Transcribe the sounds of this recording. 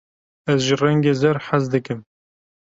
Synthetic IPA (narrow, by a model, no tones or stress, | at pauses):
ɛzʒirɛŋɡeːzɛɾħazd̪ɨkɨm